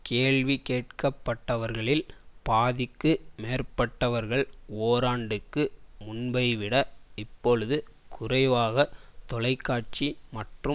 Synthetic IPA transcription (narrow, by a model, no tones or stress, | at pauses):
keːɭʋikeːʈ̚kɐpːɐʈːɐʋɐɾɣɐɭɪlpaːðɪkːɯmeːrpɐʈːɐʋɐɾɣɐɭoːɾaːɳɖɯkːɯmʊnbɐɪʋɪɽɐɪpːɔɻɯðɯkʰʊrɐɪʋaːɣɐt̪ɔlɐɪkːaːʈ̚t͡ʃimɐʈrɯ